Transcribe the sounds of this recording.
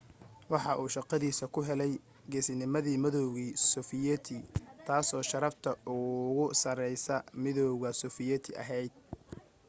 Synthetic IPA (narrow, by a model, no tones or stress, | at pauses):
wɑħɑʔuːʃɑqɑðiːsɐkʰʊɦɛlɛj | ɡɛsɪnɪmɐðiːmɐðɔwɣiːsʊːfɪjɛt̪ʰit̪ʰaːsɔːʃɐɾɐft̪ʰɐʔʊɣʊsɐrɛjsɐmɪðɔwɣɐsʊːfɪjɛt̪ʰɪʔɐ̰ɦɛjd̪̚